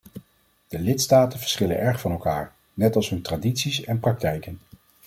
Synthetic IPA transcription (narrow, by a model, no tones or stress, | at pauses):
d̥əlɪtstaːtənvə̥ɹsχɪlə̰nʔɛɹχfɑnɛlˠka̰ːɹ | nɛtɑlˠsɦɵntraːditsisɛnprɑk̚tɛjkən